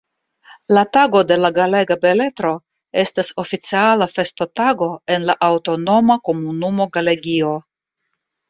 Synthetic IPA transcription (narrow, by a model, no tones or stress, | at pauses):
lataɡo̞de̞laɡale̞ɡabe̞le̞tɾo̞ | e̞staso̞fit͡sialafe̞sto̞taɡo̞e̞nlaʔawto̞no̞mako̞munumo̞ɡale̞ɡio̞